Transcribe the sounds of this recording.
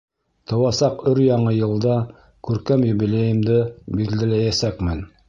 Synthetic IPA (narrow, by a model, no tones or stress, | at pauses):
t̪ʰɤ̆wɑsɑqɵɾjɑɴɤjɤ̆lˠd̪ɑ | kʉɾkæmjɵ̆βilʲejɘ̆md̪ɘbiɾd̪ælæjæsækmɘn